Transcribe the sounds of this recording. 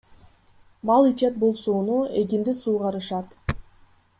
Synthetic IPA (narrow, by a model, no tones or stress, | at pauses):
mɑlˠit͡ʃɑt̪̚bolˠsuːnuek̬ind̪isuːʁɑɾɯʃɑt̪